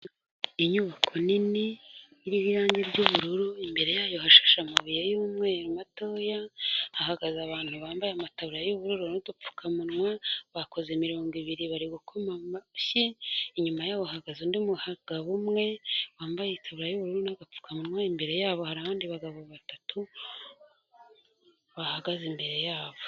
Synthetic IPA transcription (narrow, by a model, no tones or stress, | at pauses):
iɲuβakʰo̞niniː | ɾiβijaːɲɟiɾɟoβuɾuɾuimbe̞ɾe̞jaːjo̞haʃḁʃamaβijejumŋe̞umato̞ːjahahaɡazaβaːnhuβaːmbajamataβuɾajoβuɾuɾunodup͡fu̥kʰamunŋwaβako̞zemiɾo̞ːŋɡiβiɾiβaɾiɡukʰomamaɕiiɲumajaːβoahaɡazundimuhaɡ̥aβumŋe̞waːmbajeitʰaβuɾajuβuɾuɾunaɡap͡fu̥kʰamunŋwaimbe̞ɾe̞jaːβo̞haɾaβaːndiβaɡaβoβatatu | βahaɡazimbe̞ɾe̞jaːβo